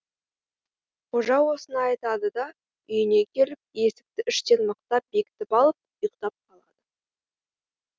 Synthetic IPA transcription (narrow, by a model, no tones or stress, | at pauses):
qʰo̞ʒɑwo̞sənɑːjt̪ɑd̪əd̪ɑ | ʏjɪne̞kʲʰe̞lɪp̚je̞sɪ̥k̚t̪ɪʔʏʃt̪e̞nməq̚t̪ɑp̚be̞kʲɪ̥t̪ɪpɑlˠəp̚jəqt̪ɑp̚qʰɑlˠɑd̪̥ə